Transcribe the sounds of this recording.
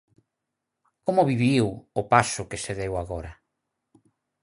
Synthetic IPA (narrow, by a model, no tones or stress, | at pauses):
komʊβiβiwʊpasʊkeseðewaɣoɾɐ